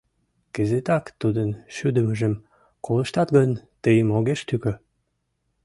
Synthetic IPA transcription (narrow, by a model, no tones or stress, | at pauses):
kə̆zet̪ɑkt̪ud̪ənʃyd̪əmə̆ʒə̆m | kolə̆ʃt̪ɑt̪ɡənt̪əjəmoɣeʃt̪ykø